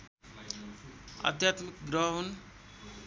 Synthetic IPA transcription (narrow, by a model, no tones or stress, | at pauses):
ə̰t̪jat̪mikɡɾəɦon